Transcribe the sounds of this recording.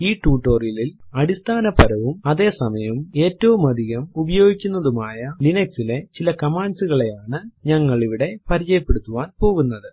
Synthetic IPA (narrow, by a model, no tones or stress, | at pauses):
iːʈːuːʈːo̞ːrijililɐɽist̪ʰaːnɐpɐɾɐʋumɐðe̞ːsɐmɐjɐme̞ːtːɐʋumɐd̪ʱiɣɐmubɐjo̞ːɡikʲːunːɐðumaːjɐlinɐksile̞t͡ɕilɐkɐmaːnsuɣɐɭe̞jaːɳɨɲɐŋːɐɭiʋiɽe̞pɐɾit͡ɕɐjɐpːe̞ɽut̪ːuʋaːnpo̞ːɣunːɐðɨ